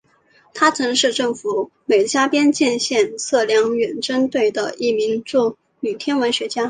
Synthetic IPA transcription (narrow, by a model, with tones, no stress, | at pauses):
t̪ʰa˥t͡sʰɤ˧˥ŋʂɻ̩˥˧ʈ͡ʂɤ˥˩ŋfu˨˧˩ | me˨˩ɪt͡ɕja˥pjɛ˥nt͡ɕjɛ˥˧nɕjɛ˥˧nt͡sʰɤ˥˩ljɑ˧˥ŋɥɛ˨˩nʈ͡ʂə˥nt̪we˥˩ɪd̪ə˩i˥˩mi˧˥ŋʈ͡ʂu˥˩ | ny˨˩t̪ʰjɛ˥nwə˧˥nɕɥɛ˧˥t͡ɕja˥